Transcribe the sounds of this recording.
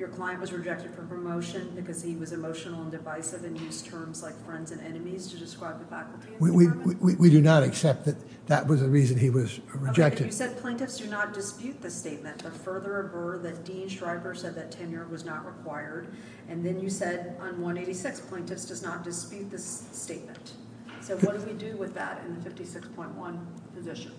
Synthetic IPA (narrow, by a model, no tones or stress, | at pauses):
jə˞kʰl̥ãɪɨ̃nʔwʌzɹɨd͡ʒɛk̚tɨd̥fɹə̃˞pʰɹ̥əmoʊʃɨ̃nbɨkʌz̥iwʌzɨmoʊʃnl̩ˠə̃ndɨvaɪsɨvɨ̃njʉz̥tʰɜ̃˞mz̥laɪkfɹɛ̃ndzɨ̃nɛnɨmiz̥tʰɨdɨskɹaɪb̚ðɨfækl̩ˠtʰiiwiiiwiɾɨnəɾɨksɛp̚t̪̚ðɨt̪̚ | ðɨʔ̚wʌzɨɹizɨ̃niwʌzɹɨd͡ʒɛk̚tɨɨsɛd̚pʰl̥ẽɪ̃ntɨfsd̥ɨnət̚d̥ɨspjʉt̪̚ðɨsteɪt̚mɨ̃ntʌ̥fɜ˞ðə˞ɨvɜ˞ðɨt̚d̥ĩnʃdɹaɪvə˞sɛd̪̚ðɨtʰɛ̃njɪɹˠd̚wʌznəʔɹɨkʰw̥aɪə˞ɾ | ɨ̃nðɨ̃njɨsɛɾ̃n̩wʌ̃neɪɾisɪkspʰl̥ẽɪ̃ntɨfsd̥ʌznət̚d̥ɨspjʉt̪̚ðɪsː | teɪt̚mɨ̃nt | soʊwʌt̚dɨwidɨwɪðə̰ɾɨ̰̃nðɨfɪftisɪkspʰɔ̃ɪ̃nʔwʌ̃npʰɨzɪʃɨ̃n